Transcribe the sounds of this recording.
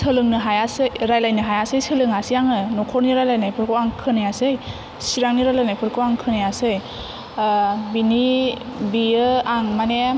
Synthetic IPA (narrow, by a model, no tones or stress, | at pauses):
sɯlɯŋnɯɦajasɯjɾajlajnɯɦajasɯjsɯlɯŋasijaŋɯnɔkʰɔɾniɾalajnajpʰɯɾkʰɯwaŋkʰɯnajasɯj | siɾaŋniɾalajnajpʰɯɾkʰɯwaŋkʰɯnajasɯj | binibiɯaŋmane